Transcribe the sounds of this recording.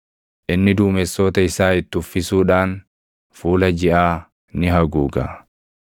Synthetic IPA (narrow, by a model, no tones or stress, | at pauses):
ʔɪnːɪd̪uːmɛsːoːt̪ɐɪsaːɪt̪ːʊfːɪsuːᶑaːn | fuːlɐd͡ʒɪʔaː | nɪɦɐɡuːɡɐ̰